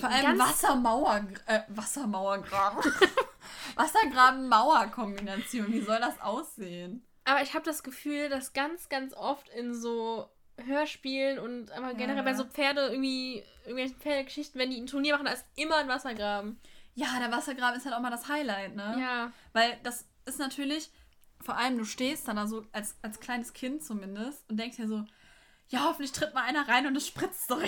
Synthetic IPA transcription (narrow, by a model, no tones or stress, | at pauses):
fɔːɐʔaləmnvasɐmaʊɐɡʔɛːvasɐmaʊɐɡʁaːbm̩ | vasɐɡʁaːbm̩ːaʊɐkʰɔmbinat͡sjoːnviːzɔldasʔa̰ʊsz̥eːən | ʔaːbɐɪçhaːbədasɡ̥əfyːldasɡ̥ant͡sɡ̥ant͡sʔɔftɪnzoː | ɦøːɐʃpiːlənʊntʔaːbaɐɡɛnəʁɛlbaɪzoːp͡feːɐdəʔɪɐɡŋ̩tv̥iːʔɪɡŋtvɛlçn̩pp͡feːɐɾəɡəʃɪçtn̩vɛndiːn̩tʰʊɐniɐmaχn̩daɐɪstʔɪmɐnvasɐɡʁaːbm̩jaːdeːɐvasɐɡʁaːbm̩ɪsthaltaʊxmaːɐldashaɪlaɪtnəjaːvaɪld̥as | ɪstnatʰyːɐlɪç | foːɐʔaləmduːʃteːstd̥andaːzoːʔalsalskʰl̥aɪnəskʰɪntt͡sumɪndəstʊntd̥ɛŋkstd̥iːɐzoː | jaːhɔfn̩tlɪçtʁ̥ɪt̚maʔaɪnɐʁaɪnʊndɛsʃpʁ̥ɪt͡sd̥ɔ